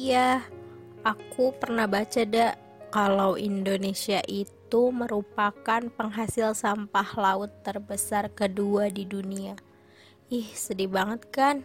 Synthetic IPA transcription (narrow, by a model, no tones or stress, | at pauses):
ja | ʔakupərnahbat͡ʃadaʔ | kalawʔindonesiaʔit̪uməɾupakanpəŋɦasɪlsampahlaʊt̪ːərbəsarkəduadidunia | ɪhsədibaŋət̪̚kan